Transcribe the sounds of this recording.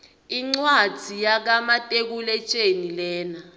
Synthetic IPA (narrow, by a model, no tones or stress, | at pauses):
iŋ͡ǀwadd͡z̥ʱijak̬amatʼek̬ulɛt͡ʃʼenilɛːna